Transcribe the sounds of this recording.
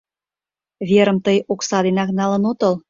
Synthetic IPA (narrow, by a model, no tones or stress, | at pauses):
βʲeɾəmt̪əjoksɑd̪enɑknɑlə̆not̪əl